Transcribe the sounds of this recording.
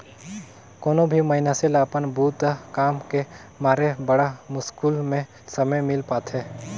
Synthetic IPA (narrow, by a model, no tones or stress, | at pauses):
koːnobʱimɐɦɪnaselaːpənbʱuːt̪kaːmke | maːɾebəɽamʊskuːlmẽ | sɐməjmɪlpaːt̪ʰɦɛː